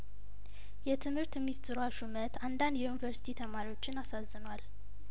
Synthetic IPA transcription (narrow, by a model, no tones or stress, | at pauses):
jɛt̪ʰɨmhɨɾt̪mist̪ʰɨɾaʃumət̪ʰand̪and̪junivəɾsi̥t̪ʰit̪ʰəmaɾiwo̞t͡ʃːɪnasazːɨnwal